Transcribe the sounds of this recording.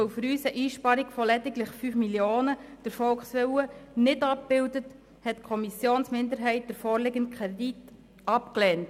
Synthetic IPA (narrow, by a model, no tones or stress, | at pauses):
ofɾyːsəʔiːʃpɑɾikfɔlɛdɪɡlɪχfyːfmiljoːnəd̥əɾfɔlkχsʋɛuənɪdɑp̚b̥ɪldət | hɛtkʰɔmisjoːnsmɪndəɾɦɛɪt̚d̥əɾfɔːɾlɪɡənt̚kʰχɛdit | ɑpklɛːnt